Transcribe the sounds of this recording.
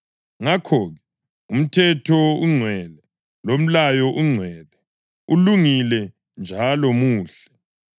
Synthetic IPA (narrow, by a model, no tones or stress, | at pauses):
ŋakʰɔɣɛ | um̩tʰɛtʰɔuŋ͡ǀʱwɛlɛ | lom̩lajɔʔuŋ͡ǀʱwɛːlɛ | uluŋilɛ | nd͡ʒʱalɔmuːɬɛ̥